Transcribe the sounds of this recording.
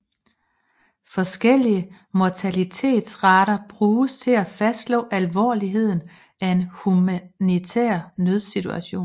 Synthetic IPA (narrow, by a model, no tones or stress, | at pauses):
fɒ̽sɡ̥el̰iə | mɒt͡sʰælit͡sʰe̝̰ːd̥sʁɑ̈ɾ̥ɐb̥ʁuːst͡sʰe̝læfæsd̥lɔ̰̽ːʔælʋɒ̰ːliɦe̝ð̰ˠn̩ | æe̝nhumænit͡sʰḛːɐ̰nøð̞ˠsit͡sʰuæɕo̝̰ːn